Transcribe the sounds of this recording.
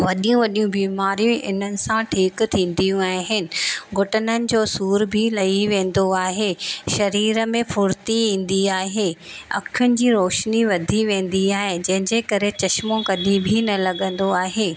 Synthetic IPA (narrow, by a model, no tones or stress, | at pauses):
ʋɐɗijũʋɐɗijũbiːmaːɾijũʔɪ̰n̤ənɪ̆sãʈʰiːkt̪ʰĩːn̆d̪ijũaːɦɪnɪ̆ɡʱʊʈənənɪ̆d͡ʑoːsuːɾbʱilɐiʋẽːn̆d̪oaːɦeːʃɐɾiːɾəmẽfʊɾt̪iĩːn̆d̪iaːɦeːɐ̰kʰɪjʊnɪ̆d͡ʑiːɾoːʃniʋɐd̪ʱiʋẽːn̆d̪iaːɦed͡ʑɐ̃ɦɪ̃ɲd͡ʑekɐɾet͡ɕɐʃmõkɐd̪ʱibʱinɐlɐɠə̃nd̪oaːɦeː